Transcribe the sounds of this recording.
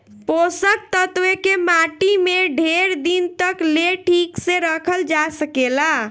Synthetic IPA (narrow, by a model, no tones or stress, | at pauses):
posək̚t̪ət̪wekemaʈimeɖʱeɾd̪int̪əkleʈʰikseɾəkʰəld͡ʒasəkela